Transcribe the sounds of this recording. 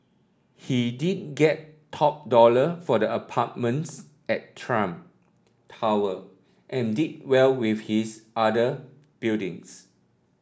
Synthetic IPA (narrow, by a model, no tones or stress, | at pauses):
hidid̚ɡɛtʰ | ɔp̚dɔləfɔdəəpʰat̚mə̃ns | ɛttʰɹãm | tʰawə | ʔɛ̃ndid̚wɛlwifhisʔadə | b̥ildḭ̃ŋs